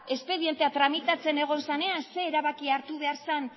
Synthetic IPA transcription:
e̞spe̞ðie̞nt̪e̞at̪ɾamit̪at͡se̞ne̞ɣ̞o̞nsane̞anse̞ːɾaβakiaɾt̪uβe̞aɾsan

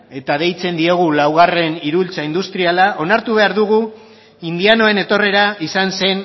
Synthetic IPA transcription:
e̞t̪að̞e̞jt͡se̞nd̪ie̞ɣ̞ulawɣ̞are̞niɾult͡saind̪ust̪ɾialaʔo̞naɾt̪uβ̞e̞aɾðuɣ̞u | ind̪iano̞e̞ne̞t̪o̞re̞ɾaisanse̞n

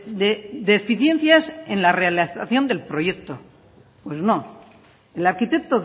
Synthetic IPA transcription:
ded̪efiθjẽ̞n̟θjase̞nlarealiθaθjo̞nd̪e̞lpɾo̞je̞k̚t̪o̞ | pwe̞zno̞ | elaɾkit̪e̞kt̪o̞

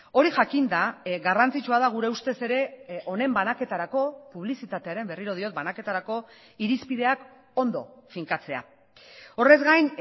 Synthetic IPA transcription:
o̞ɾiʝakind̪aɣarant͡sit͡ʃuaðaɣ̞uɾe̞ust̪e̞se̞ɾe̞ʔo̞ne̞mbanake̞t̪aɾako̞puβ̞lisit̪at̪e̞aɾe̞mbe̞riɾo̞ð̞io̞t̪̚banake̞t̪aɾako̞ | iɾispið̞e̞ak | o̞nd̪o̞̰fiŋkat͡se̞a̰ | o̞re̞zɡajn

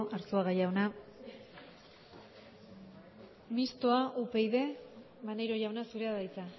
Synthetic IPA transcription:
ʔaɾsoaɣajawna | mist̪o̞aʔupe̞jðe̞ | βanejɾo̞ʝawnasuɾe̞aðajt͡sa

